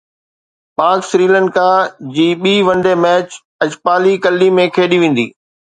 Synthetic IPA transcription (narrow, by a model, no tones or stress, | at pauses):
paːksɾiːlə̃ɳɖkad͡ʑiːɓiːʋɐ̃ɳɖemɛːt͡ɕ | ɐd͡ʑpaːlikɐlːimẽkʰeːɗiʋẽːn̆d̪ḭː